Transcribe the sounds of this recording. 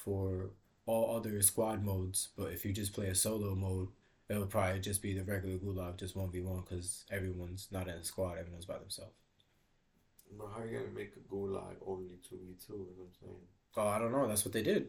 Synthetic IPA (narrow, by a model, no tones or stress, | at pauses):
fə˞ | ɔlˠʌðə˞skwɑd̚moʊdz̥b̥ʌɾɨfjɨd͡ʒʌspʰl̥eɪɨsoʊloʊmoʊd | ɨtɾl̩ˠpʰɹ̥ɑblid͡ʒʌsb̥iðɨɹɛɡjl̩ˠə˞ɡulaɡ̚d͡ʒʌst̚wõʊ̃n̚biwʌ̃nkʰʌzɛvɹiwʌ̃nznəɾɨ̃nɨskwɑɾɛvɹiwʌ̃nzbaɪðɨ̃m̩sɛ̰lˠf | wəɦaʊjɨɡɛ̰̃ɨmeɪkəɡola̰ɡõ̰ʊ̃nlitʰuitʰuənãɪ̃mseɪɪ̃ŋ | oʊaɪɾõʊ̃nːoʊðætswʌt̪̚ðeɪdɪd̥̚